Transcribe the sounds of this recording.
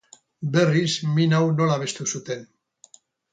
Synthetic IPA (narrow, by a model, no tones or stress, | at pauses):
be̞rizminawno̞laβ̞e̞st̪usut̪e̞n